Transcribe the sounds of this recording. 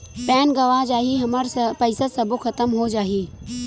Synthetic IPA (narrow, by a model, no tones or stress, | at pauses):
pɛːnɡɐʋad͡ʒaːɦiɦɐməɾpəɪsasɐbokʰət̪əmɦod͡ʒaːɦiː